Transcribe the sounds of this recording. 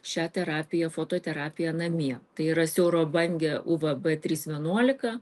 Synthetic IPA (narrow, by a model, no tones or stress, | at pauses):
ʃʲæːt̪ʲɛɾɑːpʲɪjɛfoːt̪oːt̪ʲɛɾɑːpʲɪjɛnɐmʲiɛt̪ɐɪiɾɐsʲɛʊɾoːbɐŋʲɡʲɛʔuʋɐbɛt̪ʲɾʲiːsʋʲiɛnuɔlʲɪkɐ